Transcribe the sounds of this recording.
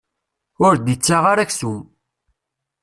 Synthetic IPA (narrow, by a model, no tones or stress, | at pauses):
ʊɾd̪it͡sːaʁaɾaçsum